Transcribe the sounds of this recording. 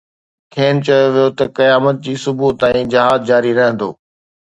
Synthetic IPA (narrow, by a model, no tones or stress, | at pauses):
kʰeːnt͡ɕɐjoʋijot̪ɐkɐjaːmət̪̚d͡ʑiːsʊbut̪ãːĩd͡ʑɐɦaːzd͡ʑaːɾiɾɐɦə̃nd̪o̰ː